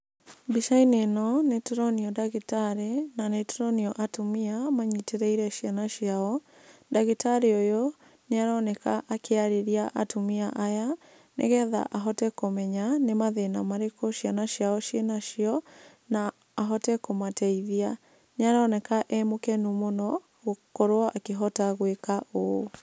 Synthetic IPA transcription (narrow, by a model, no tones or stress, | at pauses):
biʃainenɔnetoɾɔniɔdaɣitaɾenanetoɾɔniɔʔatomiamaɲiteɾɛiɾɛʃianaʃjaɔ | daɣitaɾeojo | neaɾɔnɛkaʔakeaɾeɾiaʔatumiaʔaja | nḛɣɛða̰ʔaɦɔtɛkomɛɲanemaðenamaɾekoʃjanaʃjaɔʃjenaʃiɔ | naː | ɦɔtɛkomatɛiðia | neaɾaɔnɛkaʔɛmokɛnumonɔ | ɣokɔɾoaʔakeɦɔtaɣwekaʔo